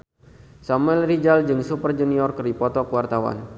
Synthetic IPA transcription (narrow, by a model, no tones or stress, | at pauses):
samuɛlrid͡ʒald͡ʒɨŋsupərd͡ʒuniɔrkɨripɔt̪ɔkəwart̪awa̰n